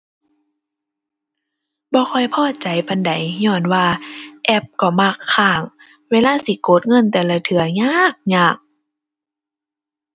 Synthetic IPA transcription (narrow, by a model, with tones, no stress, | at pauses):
bɔː˧˦xʰɔ˧˩jpʰɔː˧˨t͡ɕa˨˦jba˨nda˨˦jɲɔː˧˩nwaː˧˩ʔɛ˧˩p̚kɔ˧˩ma˧kʰːaː˧˩ŋ | weː˧˨laː˧˥˨si˧˦koː˨˦t̪̚ŋɤ˧˥˨nt̪ɛː˨˧˨la˧t̪ʰɯ˨˦ɐɲaː˧˨k̚ɲaː˧˩k̚